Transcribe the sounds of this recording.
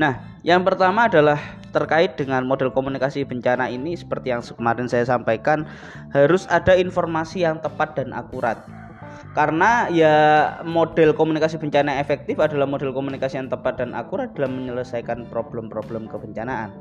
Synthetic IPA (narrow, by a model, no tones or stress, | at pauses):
nah | jaŋpərt̪amaːdalah | t̪ərkaɪt̪̚dəŋanmodɛlkomunikasibəɲt͡ʃanainisə̥pərt̪ijaŋsəkəmaɾɪnsajasampajkan | haɾʊsadainfɔrmasijaŋt̪əpat̪̚d̥anʔa̰kuɾa̰t̪̚ | kaɾənajamod̥ɛlkomunikasibəɲt͡ʃanaefɛk̚t̪ɪfadalahmodɛlkomunikasijaŋt̪əpat̪̚d̥anʔa̰kuɾat̪̚d̥a̤lamːəɲələsajkanpɾob̥ləmpɾob̥ləmkəbəɲt͡ʃanaʔa̰n